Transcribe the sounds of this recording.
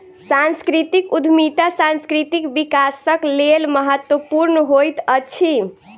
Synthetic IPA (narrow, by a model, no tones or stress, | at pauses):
sanskɾit̪ikud̪ʱmit̪asãnskɾit̪ikbikasəklelməɦət̪wəpuɾnəɦojt̪ət͡ʃʰi